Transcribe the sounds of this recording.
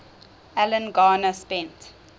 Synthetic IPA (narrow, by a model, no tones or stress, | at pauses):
ælə̃nɡaːnəspɛ̃nt